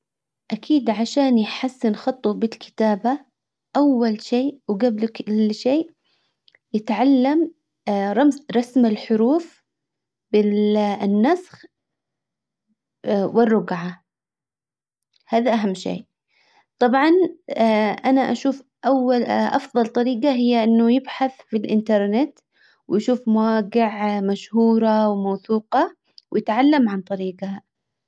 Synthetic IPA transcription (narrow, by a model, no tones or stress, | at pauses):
ʔakʰiːd̪ʕaʃaːnjħasːɪnxɑt̪ˤːubɪlkʰɪ̥t̪aːba | ʔawːalʃeːwɡablkɪlʃeːʔ | jɪt̪ʕalːam | ɾˤɑmzɾˤɑsmɪlħʊɾuːf | b̥ɪnːasx | wɪrːʊɡʕa | haːðaʔaɦamːʃḛːʔ | t̪ˤɑbʕɑn | ʔanaʔaʃuːfʔawːalʔɑfðˤɑlt̪ˤɑɾiːɡaɦɪjːaʔɪnːʊjɪbħaθfilʔɪnt̪ɑɾˤnɪt̪ | wjʃuːfmawaːɡɪʕmaʃhuːɾˤɑwmawθuːqɑ | wjɪt̪ʕalːamʕant̪ˤɑɾiːɡa